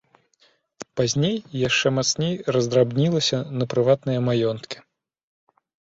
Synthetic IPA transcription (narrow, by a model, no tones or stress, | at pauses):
pazʲnʲejːaʂt͡ʂɛmat̪snʲejrɐzd̪ɾabnʲilˠɐsʲɐnɐpɾɨvat̪nɨjɐmajɔnt̪kʲi̥